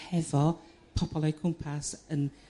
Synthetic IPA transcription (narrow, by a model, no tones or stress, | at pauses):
hɛvɔ | pʰɔb̥ɔlˠɛjkʰʊmpʰasən